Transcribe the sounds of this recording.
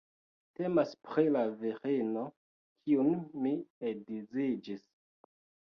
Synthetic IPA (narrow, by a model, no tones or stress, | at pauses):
te̞maspɾilaviɾeno̞ | kʰiunmiedizid͡ʒis